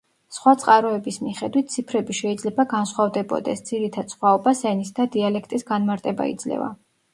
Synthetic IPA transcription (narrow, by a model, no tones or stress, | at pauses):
sχwat̪sʼqʼaɾɔɛbismiχɛd̪wit̪̚t̪sʰipʰɾɛbiʃɛid̪zlɛbaɡansχwavd̪ɛbɔ̰d̪ɛsd̪z̥iɾit̪ʰad̪̥sχwaɔbasɛnisd̪ad̪ialɛkʰt̪ʼisɡanmaɾt̪ʼɛba̰ḭd̪z̥lɛ̰va̰